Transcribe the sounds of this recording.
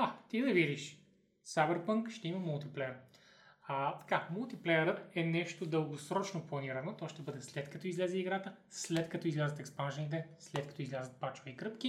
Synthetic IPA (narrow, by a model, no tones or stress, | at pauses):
at̪id̪ɐvid̪iʃ | savɛɾpɤŋkʃt̪ɛimɐmulˠt̪iplɛjəɾ | ɐt̪ɐ̥kamulˠt̪iplɛjəɾət̪ɛnɛʃt̪od̪əlˠɡosɾɔt͡ʃnoplˠɐniɾɐnot̪ɔʃt̪ɛbɤd̪ɛslɛt̪kɐt̪ɔizlɛzɛiɡɾat̪ə | slɛt̪kɐt̪ɔizlʲazət̪ɛkspanʒɛnit̪ɛslɛt̪̚kɐ̥t̪ɔizlʲazət̪̚pat͡ʃvɐikɾɤpk̟i